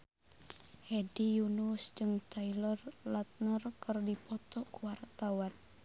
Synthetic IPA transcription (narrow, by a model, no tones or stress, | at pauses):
hedijunusd͡ʒɨŋt̪ʰailərlat̪̚nərkərdipɔt̪ɔkuwart̪awan